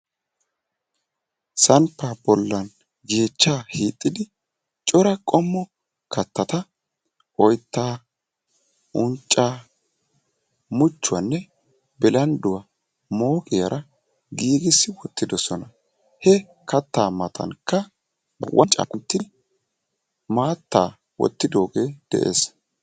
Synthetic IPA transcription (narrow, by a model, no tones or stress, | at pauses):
sɐnpːabɔlːɐn | ɡeːt͡ʃːaːhiːt̪ʼːɪd̪ɪ | t͡ʃʼɔɾɐkʼɔmːɔ | kɐt̪ːɐt̪ɐ | ʔɔjt̪ːaː | ʔʊnt͡ʃʼːaː | mʊt͡ʃːʊwɐ̰nːɛ | bɛlɐnd̪ʊwa | mo̞ːkʼɪjɐ̰ɾʔɐ | ɡiːɡɪsːɪwɔt̪ːɪd̪ɔsɔnɐ | hɛ | kɐt̪ːaːmɐt̪ʰɐ̰nkːɐ | bʊwʔɐ̰nt͡ʃʼa̰ːkʼʊnt̪ːɪ | maːt̪ːa̰ː | wɔ̰t̪ːɪd̪o̞ːɡe̞ːd̪̥ɛ̰ʔe̞̰ːs